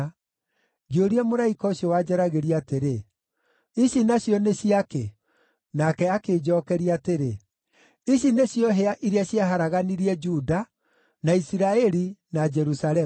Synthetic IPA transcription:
ɡioɾiɛmoɾaikɔɕjɔwad͡ʒɛɾaɣeɾiateɾe | iɕinaɕjɔneɕiake | nakɛakeːd͡ʒɔːkɛɾiateɾe | iɕineɕjɔɦeaʔiɾiaɕjaɦaɾaɣaniɾiɛd͡ʒuda | naisiɾaɛɾinad͡ʒɛɾusaɾɛ

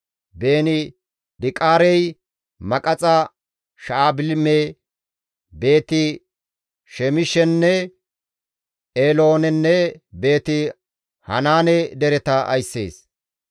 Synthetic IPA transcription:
be̞ːnɪ | d̪ɪkʼaːɾɛj | mɐkʼɐt͡sʼɐ | ʃaːbɪlme | be̞ːt̪ɪ | ʃɛmɪʃɛnːɛ | ʔeːlo̞ːnɛnːɛbe̞ːt̪ɪ | hɐ̰naːnɛd̪ɛɾɛt̪ɐʔɐ̰jsːḛːs

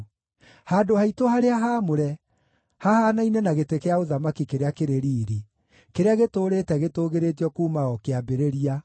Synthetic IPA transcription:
haːdohaitohaɾeaɦaːmoɾɛ | hahaːnainɛnaɣetekeaoðamakikeɾeakeɾeɾiːɾi | keɾeaɣetoːɾeːtɛɣetoːɣeɾeːt̬jɔkuːmaɔkeabeɾeɾia

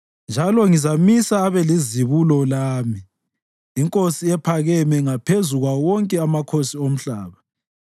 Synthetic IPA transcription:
nd͡ʒʱalɔŋizamisaːβɛliziβulɔlaːmiː | ŋkʼosiɛpʰaɣɛmɛŋapʰezuɣwawɔŋkʼɛamakʰosiom̩ɬaːβa

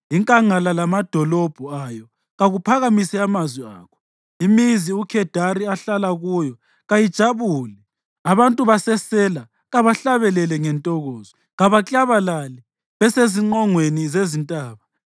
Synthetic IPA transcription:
iŋkʼaŋalalamad̥ʱɔlɔb̥ʱuajɔ | ɣaɣupʰaɣamisɛamazwia̰ːkʰɔ̥ | imiziukʰɛd̥ʱaɾiaɬalaɣujɔ | ɣajid̥ʒ̥ʱaβuːlɛ | aβantʼuβasɛsɛla | ɣaβaɬaβɛlɛlɛŋɛntʼɔɣɔːzɔ | ɣaβat͡ɬʼaβalalɛ | βɛseziŋ͡ǀɔŋwenizezintʼaːβa

